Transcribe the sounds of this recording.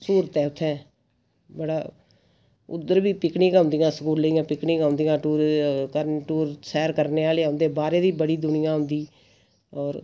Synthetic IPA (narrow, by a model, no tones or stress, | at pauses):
suːɾət̪ɛːʊt̪ʰːɛ̃ː | bəɽaː | ʊ̰d̪əɾbiːpɪkɳĩːkãʊ̃ːnd̪ijãːsəkuːɾləijãːpɪkɳɪiːkaʊ̃ːnd̪ijãːʈuːɾkəɾʈuːɾsɛːɾkəɾneːaːleʊnd̪eːbaːɾeːd̪iːbəɽiːd̪ʊnɪjãːɦʊ̃nd̪iː | ɔːɾ